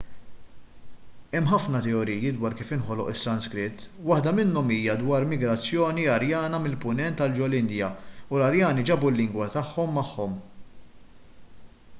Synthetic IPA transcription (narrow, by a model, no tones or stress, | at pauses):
ɛmːħɐfnɐt̪ɛɔɾiːjid̪wɐːɾkiːfɪnħɔlɔʔɪsːɐnskɾɪt̪ː | wɐħd̪ɐmɪnːɔmiːjɐd̪wɐːɾmɪɡɾɐt͡sːjɔːniɐɾjɐːnɐmɪlpʊnɛnt̪ːɐld͡ʒɔlɪnd̪jɐulɐɾjɐːnid͡ʒɐbulːɪŋɡwɐt̪ɐħːɔmːɐħːɔm